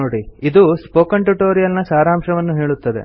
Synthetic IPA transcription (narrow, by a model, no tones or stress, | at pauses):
oːɽiid̪uspoːkɐɳʈuʈoːɾijɐlnɐsaːɾaːmʂɐʋɐnːuɦe̞ːɭut̪ːɐd̪ḛ